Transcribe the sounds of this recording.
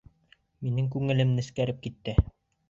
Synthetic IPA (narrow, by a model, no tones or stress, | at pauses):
minɘŋkʉŋɘ̆lɘmnɘ̆skæɾɘp̚kit̪ːɘ